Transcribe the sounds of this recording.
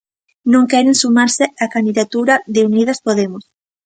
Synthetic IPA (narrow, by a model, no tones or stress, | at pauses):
nõŋkɛɾẽŋsumaɾsɪakand̪iðat̪uɾɐðɪuniðɐspoðemʊs